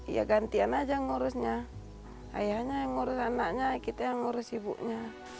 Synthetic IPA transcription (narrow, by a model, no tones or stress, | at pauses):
ḭja̰ɡant̪ianad͡ʒaŋɔɾusɲa | a̰jahɲaŋɔɾusanaʔɲakit̪aaŋɔɾɔsibṵʔɲa